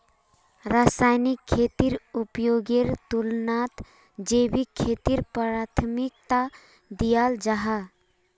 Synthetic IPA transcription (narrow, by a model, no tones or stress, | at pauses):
ɾaːsaːjnɪkʰːeːt̪iɾʊpjoːɡeɾt̪ulnaːt̪ | d͡ʒeːbikʰːeːt̪iɾpɾaːt̪ʰmɪk̚t̪a | d̪ijaːld͡ʒaɦa